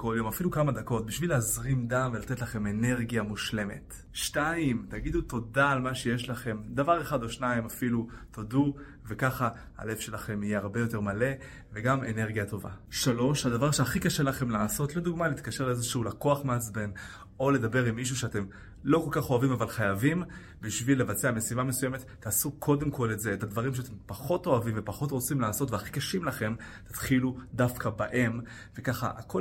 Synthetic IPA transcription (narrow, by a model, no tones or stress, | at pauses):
ko̞ljo̞mafilukamad̪ako̞t̚biʃvileazʁimd̪amve̞lat̪e̞t̪laχe̞me̞ne̞ʁɡijamuʃle̞me̞̰t̪ | ʃtaimt̪aɡid̪ut̪o̞daːlmaʃe̞je̞ʃlaχe̞md̪avaʁe̞χad̪o̞ʃnaimafilutodu | ve̞kaχa | a̰le̞fʃe̞laχe̞mijeaʁbe̞jo̞te̞ʁmale̞ | ve̞ɡame̞ne̞ʁɡijato̞va̰ʃalo̞ʃhadavaʁʃeaχikaʃe̞laχe̞mlaːso̞tlo̞d̪uɡmaleiːt̪kaʃe̞ʁleezeʃuulako̞aχmeat͡sbe̞n | o̞le̞d̪abe̞ʁimːiʃ̬uʃeate̞m | lo̞ko̞lkaχo̞avimavalχajavim | biʃvilːe̞vat͡seame̞sivame̞sujeme̞t̪ːaːsukʰo̞de̞mkʰo̞le̞tze̞ːtadvaʁimʃeat̪empaχo̞to̞avimve̞paχo̞tʁo̞t͡simlaːso̞tveaχi̥kaʃimlaχe̞m | t̪ḁt̪χiludafkʰabaʔe̞m | ve̞kaχa̰ʔakʰo̞